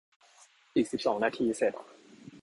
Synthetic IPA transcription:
ʔiː˨˩k̚si˨˩p̚sɔː˩˦ŋnaː˧t̪ʰiː˧se˨˩t̪̚

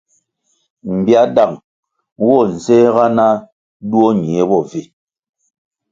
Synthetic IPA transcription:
m̩˨bja˦da˨ŋ | wɔ˦˨n̩˨zɛ˦ɣa˦na˦ | du˦o˦ɲ˨e˨˦bɔ˦˨vi˨

